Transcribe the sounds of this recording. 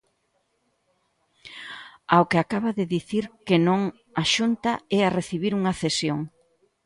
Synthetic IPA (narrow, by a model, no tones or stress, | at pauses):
awkɪakaβɐðɪðiθiɾkenõŋ | aʃunt̪ɐɛareθiβiɾuŋɐθesjoŋ